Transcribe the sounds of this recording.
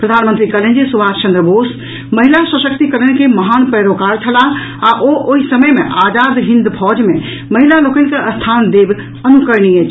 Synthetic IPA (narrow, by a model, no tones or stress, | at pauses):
pɾəd̪ʱaːnmənt̪ɾikɐlə̃nd͡ʒisubaːst͡ʃɐ̃nd̪ɾəboːs | mɐɦɪlaswəʃək̚t̪ikəɾəñkemɐɦaːnpɛɾokaːɾt͡ʃʰɐla | aʔoʔoɦisɐməjmḛ̃ʔaːd͡ʒaːd̪ɦɪ̃nd̪pʰɔːd͡ʒmẽ | mɐɦɪlaloːkənɪ̆keʔɐst̪ʰaːnd̪eːb | ɐnukəɾniet͡ʃ